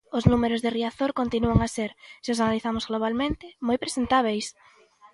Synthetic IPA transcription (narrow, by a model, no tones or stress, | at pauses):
ʊznumeɾʊzðeriaθoɾkont̪inuoŋaseɾsɪosanaliθamʊzɣloβ̞almẽnt̪ɪmojpɾesent̪aβ̞ejs